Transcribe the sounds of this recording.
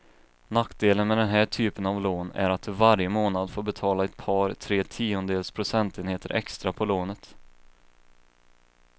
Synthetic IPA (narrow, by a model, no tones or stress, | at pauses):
nakd̪eːlənmɛd̪ɛnɦæːʈʰyːpənavloːnæ̰ɾat̪̚d̪ɵvaɾjəmoːnad̪foːɾbɛt̪ʰɑːlaɛt̪̚pʰɑːɾt̪ʰɾeːt̪ʰiːʊnəd̪eːlspʰɾʊsɛnt̪eːnheːt̪əɾʔɛ̰kst̪ɾapʰɔloːnət̪